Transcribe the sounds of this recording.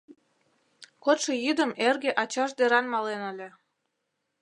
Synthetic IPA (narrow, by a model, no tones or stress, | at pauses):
kot̪ʃĕjyd̪ə̆merɣeʔɑt͡ɕɑʃd̪eɾɑnmɑlenə̆lʲĕ